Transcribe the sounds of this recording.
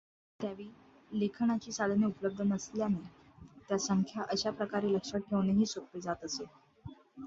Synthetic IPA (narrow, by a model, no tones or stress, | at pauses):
t̪jaʋiː | lekʰɳat͡ɕiːsad̪ʱneupələb̚d̪ʱənəsljane | t̪jasəŋkʰjaʔəɕapɾəkaɾiːləkʂəʈ̚ʈʰːeʋneɦiːsok̚ʈed͡zat̪əse